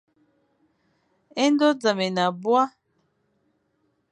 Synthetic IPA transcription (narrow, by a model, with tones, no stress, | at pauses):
ɛ˦n˦dɔ˦d͡za˨mɛ˨na˨bwa˦